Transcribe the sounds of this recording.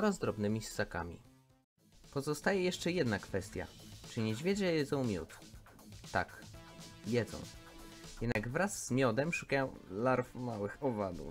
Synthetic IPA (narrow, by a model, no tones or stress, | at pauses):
ɔɾazd̪ɾɔbnɘmʲisːaka̰mʲḭ | pɔzɔst̪ajɛjɛʂt͡ʂɛjɛd̪nakfɛst̪ʲja̰t͡ʂɘɲɛd͡ʑvʲjɛd͡ʑɛjɛd̪zɔ̃w̃mʲjṵt̪ː | ak | jɛd̪zɔ̰̃w̃ | jɛd̪naɡvɾaz̥ːmʲjɔd̪ɛmʂukajɔ̃w̃laɾfmawɘxɔvad̪ṵf